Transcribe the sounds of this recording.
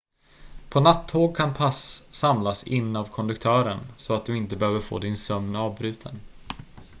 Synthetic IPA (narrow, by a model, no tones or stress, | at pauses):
pʰɔnat̪ʰːoːɡ̚kʰanpʰasːamlasɪnːavkʰɔnd̪ɵkt̪ʰœːɾənsɔat̪̚d̪ɵɪnt̪əbɛhøːvəɾfo̰ːd̪ɪnsœmnɑːvbɾʉ̟ːt̪ʰə̰n